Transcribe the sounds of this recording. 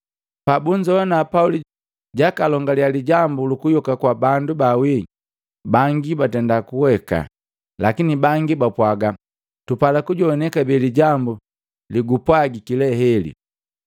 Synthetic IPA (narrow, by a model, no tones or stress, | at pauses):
pabuɲd͡ʒɔwɔnapauli | ɟakalɔŋɡalialiɟambulukujɔkakwabandubawi | baŋɡibatɛndakuwɛka̰ | lakinibaŋɡibapwaɡa | tupalakuɟɔɔnɛkabiliɟambu | liɡupwaɡikilɛɦɛlḭ